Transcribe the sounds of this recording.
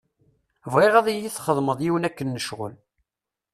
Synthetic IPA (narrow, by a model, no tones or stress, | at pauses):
vʁeʁæðæjiθχəðˤməðˤjiwənækːənːəʃʁə̰l